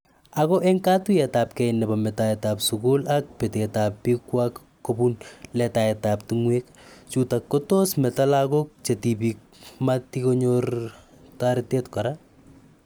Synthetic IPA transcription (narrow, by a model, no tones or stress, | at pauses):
akɔʔɛŋkatuɛtap̚kɛjnɛbamɛtaɛtapsʊkʊlak̚petetapːikwakːobunlɛtaɛtaptuŋwek | t͡ʃutakːɔtosmɛtalakok̚t͡ʃetipik̚ | matikoɲor | taɾɪtetkɔɾa